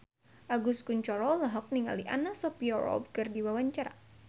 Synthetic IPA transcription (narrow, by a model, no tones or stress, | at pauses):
ʔaɡuskuɲt͡ʃɔɾɔlaɦɔk̚niŋa̰liʔanasɔpiɔɾɔ̰bkɨrdiwawaɲt͡ʃaɾa̰